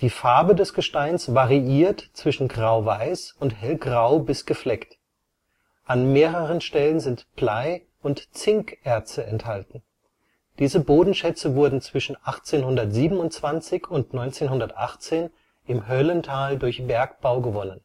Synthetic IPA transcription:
d̥iːfaɐbədɛsɡ̥əʃtaɪnsvaʁiiːɐtt͡sv̥ɪʃn̩ɡʁaʊvaɪsʊnthɛlɡʁaʊbɪsɡ̥əflɛkt | ʔanmeːʁəʁ̞ənʃtɛlənzɪntplaɪ | ʊntt͡sɪŋkʔɛɐt͡stəɛnthaltn̩ | d̥iːzəboːdn̩ʃɛt͡səvʊɐdn̩t͡sv̥ɪʃn̩ʔaχt͡seːnhʊndɐtz̥iːbm̩ʊntt͡sv̥ant͡sɪçʊntnɔʏnt͡seːnɦʊndɐtʔa̰χt͡seːn | ʔɪmɦœləntʰaːldʊɐçb̥ɛɐk̚b̥aʊɡəvɔnən

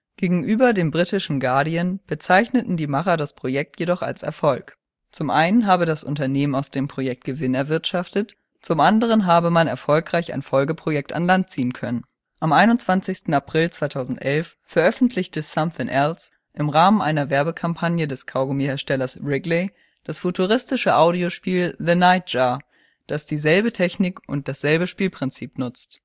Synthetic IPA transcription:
ɡ̥eːɡŋ̩ʔyːbɐdeːmbʁitɪʃn̩ɡaɐdiənb̥ət͡saɪçnətn̩diːmaχɐdaspʁ̥ojɛk̚tʰjedɔχa̰lsɛ̰ɐfɔlk | t͡sʊmʔaɪnənɦaːbədasʔʊ̰ntɐneːmənaʊsd̥eːmpʁ̥ojɛk̚t̚ɡ̥əvɪnɛɐvɪɐtʃaftət | t͡sʊmʔandəʁ̞ənɦaːbəmanɛɐfɔlkʁ̥aɪça̰ɪnfɔlɡəpʁ̥ojɛk̚ta̰nlant̚t͡siːənkʰœnən | ʔamʔaɪnʊntt͡sv̥ant͡sɪçstn̩apʁ̥ɪlt͡sv̥aɪtʰaʊzn̩tʔɛlf | fɛɐʔœfn̩tʰlɪçtəsamθɪŋʔɛls | ʔɪmʁaːmənʔaɪnɐvɛɐbəkʰampʰanjədɛskʰaʊɡomihɛːɐʃtɛlɐsʁɪɡleɪ | d̥asfutʰuʁɪstɪʃəʔaʊɾioʃpiːlðənaɪt̚ʒ̥aː | d̥asd̥iːzɛlbətʰɛçnɪkʔʊnt̚d̥asz̥ɛlbəʃpiːlpʁ̥ɪnt͡siːpnʊt͡st

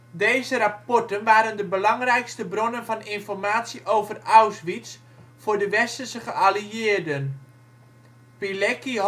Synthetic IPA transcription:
deːzəɾapɔrtənʋaːɾəndəbəlɑŋrɛjkstəbronənfɑninfɔrmaːtsiʔoːvərawsʋis | fʊːdəʋɛstərsəχəaliɪːərdən | pilɛki

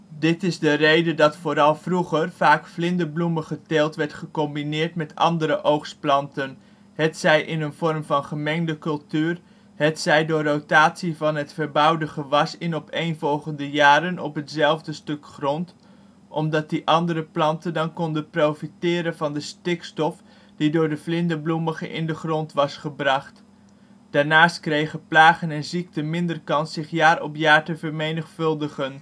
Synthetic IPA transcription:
dɪtɪzdərejdədɑtfoːɾɑlˠvruχərfaːkflɪndəbluməχəteːlˠtʋɛɹtχəkɔmbinɪːɹtmɛtʰɑ̰ndəɾəʔowχsplɑntən | hɛtsɛjʔɪnənv̥ɔrmvɑnχəmɛŋdəkɵlˠtyːr | hɛtsɛjdʊːrːowtaːtsivɑnɦətfərbʌwdəχəʋɑsɪnɔpʰejnvɔlˠχəndəjaːɾənɔ̰pɦətsɛlˠvdəstɵkχrɔnt | ʔɔmdɑt̚diʔɑndəɾəplɑntəndɑnkɔndəprowfitɪːɾənvɑndəstɪkstɔf | d̥idʊːɹdəvlɪndəbluməχəʔɪ̰ndəχrɔntʋɑsχəbrɑχt | d̥aːɹnaːstkrejχəplaːχənɛnzik̚təmɪndərkɑnsɪχjaːrɔpjaːɹtəvəɹmejnəχfɵlˠdəχən

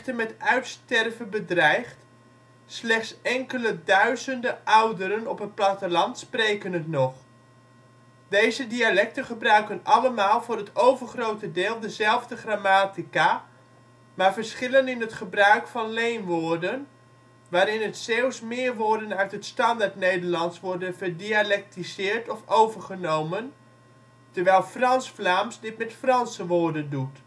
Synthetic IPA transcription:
təmɛtœɥtstɛrvəbədrɛjχt | slɛxtsɛŋkələdœɥzəndəʔɑwdəɾənɔpət̚platəlɑntsprejkənətnɔχ | dejzədialɛk̚təχəbrœɥkənʔɑləmaːlˠvʊːrɦətowvərχrowtədɪːlˠdəzɛlˠvdəχramaːtika | maːɹvərsχɪlənɪnətχəbrœɥkfɑnlejnʋoːrdən | ʋaːɾɪnətsɛwˠsmɪəɹʋʊːɹdənœɥtɦətstɑndaɹtnejdəɹlɑntsʋɔɹdənvəɹdialɛk̚tizɪːɹtɔfowvərχənowmən | təɹʋɛjlˠfrɑnsflaːmsdɪtmɛtfrɑnsəʋʊːɹdəndut

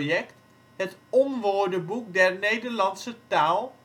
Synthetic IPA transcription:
jɛkt | ɦətɔmʋoːɹdəbuk̚dɛɹnejdəɹlɑnsətaːlˠ

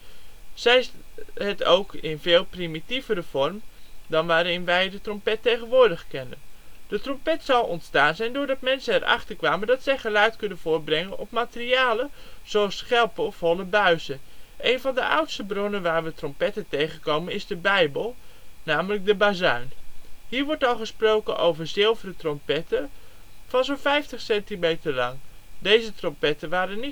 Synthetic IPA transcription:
z̥ɛjətʰowkʰɪnveːlˠprimitivəɾəv̥ɔrmdɔnʋaːɾɪnʋɛjdətrɔmpɛtːejɣənʋʊːɹdəxkɛnə̰nd̥ətrɔmpɛtsɔwɔntstaːnzɛjndʊːdɑtmɛnsənɛrʔɑ̰χtərkʋaːməndɑtsɛjχəlœɥtkɵnənv̥ʊːr̚brɛŋənɔpmaːtəriaːlə | z̥oɑsχɛlˠpəɔfɔlˠəbœɥsəʔejnvɑndəʔʌ̰wtstəbrɔnənʋaːɹʋətrɔmpɛtəntejχənkowmənɪzdəbɛjbəlˠnaːmələk̚dəbazœɥnɦiːɹʋɔɹtɑlˠχəsprowkəno̰wvəɹzɪlˠvərətrɔmpɛtə | vɑnzowfɛjftəχsɛntimejtəɹlɑŋdejzətrɔmpɛtənʋaːɾəni

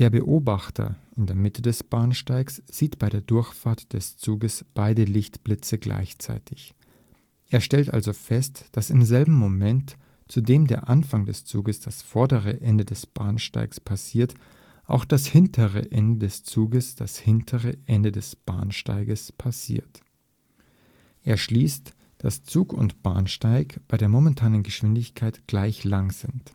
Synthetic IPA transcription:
d̥eːɐbəʔoːbaχtʰɐ̰ʔɪndeːɐmɪtʰədɛsb̥aːnʃtaɪksz̥iːtb̥aɪɾeːɐdʊɐçfaːɐtd̥ɛst͡suːɡəsb̥aɪdəlɪçtb̥lɪt͡səɡla̰ɪçt͡sa̰ɪtʰɪç | ʔeːɐʃtɛltʔa̰lzofɛstd̥asɪmzɛlbm̩ːomɛnt | t͡sudeːmdeːɐʔanfaŋdɛst͡suːɡəsd̥asfɔɐdəʁ̞əʔɛndədɛsb̥aːɐnʃta̰ɪkspʰasiːɐt | ʔa̰ʊxd̥ashɪntʰəʁə̰ʔɛndədɛst͡suːɡəsd̥ashɪntʰəʁəʔɛndədɛsb̥a̰ːnʃta̰ɪɡəspʰasḭːɐt | ʔeːɐʃliːst | d̥ast͡suːkʊ̰ntb̥a̰ːnʃtaɪkb̥aɪɾeːɐmomɛntʰaːnənɡəʃv̥ɪndɪçkʰaɪtɡ̥laɪçlaŋz̥ɪnt

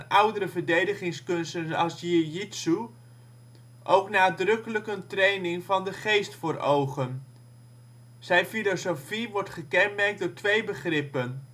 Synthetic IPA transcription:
ʔʌwdəɾəvəɹdejdəχɪŋskɵnstənɑ̰sjijitsu | ʔowknaːdrɵkələkəntrejnɪŋvɑndəχejstfʊːɹowχən | z̥ɛjfilosowfiʋɔɹtχəkɛnmɛɹk̚dʊːɹtʋejbəχrɪpən

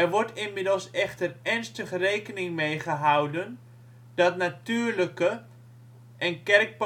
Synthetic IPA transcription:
ɛrʋɔɹtɪnmɪdəlˠsɛχtərɛnstəχrejkənɪŋmejχəɦawdən | dɔtnatyːrləkə | ʔɛnkɛrk̚p

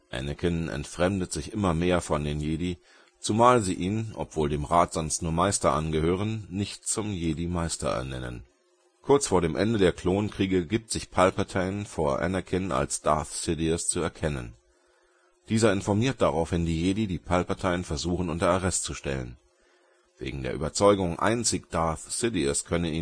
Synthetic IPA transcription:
ʔɛ̰nɛkʰɪnʔɛ̰ntfʁ̥ɛmdətz̥ɪçʔɪmɐmeːɐfɔndeːnjeːdi | t͡sumaːlziːʔiːnʔɔ̰pv̥oːldeːmʁaːtz̥ɔnstnuːɐmaɪstɐʔanɡəhøːʁənːɪçtt͡sʊmjeːdimaɪstɐ̰ʔɛ̰ɐnɛ̰nə̰n | kʰʊɐt͡sfoːɐɾeːmʔɛ̰ndədeːɐkʰl̥oːnnkʁ̥iːɡəɡiːp̚tz̥ɪçpʰalpaɐtʰaɪənfoːɐʔɛ̰nɛɐkʰɪna̰lsd̥aɐθsɪdiɐst͡suɛɐkʰɛnə̰n | d̥iːzɐɪnfɔɐmiːɐt̚d̥aʁaʊfvɛndiːjeːdidiːpʰalpaɐtʰaɪənfɛɐzuːχn̩ʔʊntɐaʁɛstt͡suʃtɛ̰lə̰n | v̥ḛːɡŋ̩dḛːɐʔyːbɐt͡sɔʏɡʊŋʔa̰ɪnt͡sɪçd̥aɐθsɪdiɐskʰœnəniː

